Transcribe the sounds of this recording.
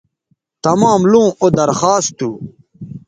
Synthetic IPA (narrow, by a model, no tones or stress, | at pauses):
t̪ɐmaːmlũːod̪ɐɾxaːst̪u